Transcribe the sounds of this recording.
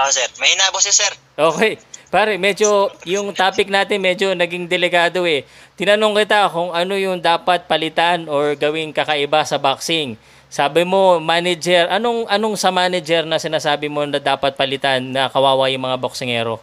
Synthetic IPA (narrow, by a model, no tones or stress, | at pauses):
ʔosɛɾmɐɪnaːbosɛsɛɾ | ʔo̞ːkɛjpaːɾɛmɛd͡ʒo̞jʊŋt̪aːpɪk̚naːt̪ɪnmɛd͡ʒo̞nɐɡiŋd̪ɛlɪkaːd̪o̞ɛt̪ɪnɐnoŋkɪt̪akʊŋɐno̞jʊŋd̪aːpɐt̪̚pɐlɪt̪anoɹɡɐwɪŋkɐkɐʔɪbasɐbaksɪŋ | saːbɪmo̞maːnɛd͡ʒɛɾʔɐno̞ŋʔɐno̞ŋsɐmaːnɛd͡ʒɛɾnɐsɪnaːsaːbɪmo̞nɐd̪aːpɐt̪̚pɐlɪt̪anːɐkɐwaːwɐjʊŋmɐŋaboksɪŋɛːɾo̞